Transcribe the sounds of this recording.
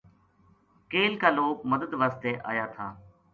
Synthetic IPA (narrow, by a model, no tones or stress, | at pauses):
keːlkaːloːkməd̪əd̪ʋaːst̪eːʔa̰ːjaːt̪ʰaː